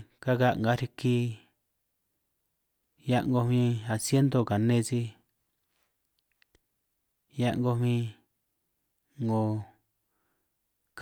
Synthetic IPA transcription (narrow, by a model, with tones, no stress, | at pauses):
ka˦ka˦ŋɡa˨˦ɾi˧ki˧ | ja˧ʔŋɡo˧mĩ˧a˨sje˦nd̪o˧˨ka˨nẽ˦˧t͡ʃi˧ | ja˧˦ʔŋɡo˧mĩ˧ | ŋõ˧ | k